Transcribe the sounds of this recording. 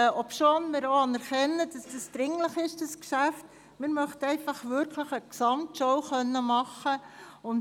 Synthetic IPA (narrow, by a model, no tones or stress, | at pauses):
ɔpʃonmɪːɾoɑnæɾχɛnːəd̥ɑsd̥əsd̥ɾɪŋləχɪʃd̥ɑskʃæft | mɪːɾmœχtɛɪfɑχʋʏɾkʰləχəksɑmtʃɔwχœnːəmɑχəʊn